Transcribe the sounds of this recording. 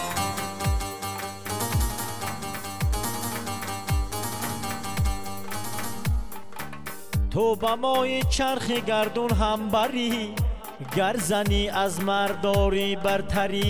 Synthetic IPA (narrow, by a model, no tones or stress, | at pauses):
t̪ʰobamɔːit͡ʃʰaɾχiɡaɾd̪unɦambaɾi | ɡaɾzaniazmaɾd̪ɔːɾibaɾt̪ʰaɾi